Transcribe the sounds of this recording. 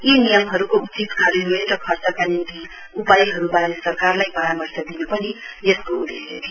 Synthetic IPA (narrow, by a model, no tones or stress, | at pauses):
jinijʌmɦʌɾukot͡sit̪kʌɾinueʈɾʌkʰʌrt͡sʌkanint̪i | upajɦʌɾubaɾesʌrkarlajbʌɾamʌrsjad̪inʌpʌnijeskoud̪ʱeḛɾi